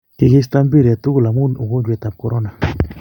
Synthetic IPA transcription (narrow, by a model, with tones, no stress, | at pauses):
ki˨ɡi˦s̬t̪a˦mbi˦ɾe˨t̪u˦ɡu˦˨la˨mu˦nu˨ɡo˦d͡ʒwe˨t̪a˨p̚koɾo˦na˨